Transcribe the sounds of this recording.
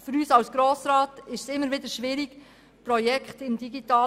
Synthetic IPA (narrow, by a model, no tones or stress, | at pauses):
fʏɾyːsɑwsɡ̥ɾoːsɾɑːtɪʃsɪmːəɾʋɪd̪əʃʋɪɾiɡ̥ | prɔjɛkχtɪmd̥iɡitɑː